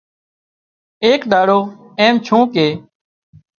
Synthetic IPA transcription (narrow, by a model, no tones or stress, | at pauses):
eːkɗaːɽoː | ẽːmt͡ʃʰũːkeː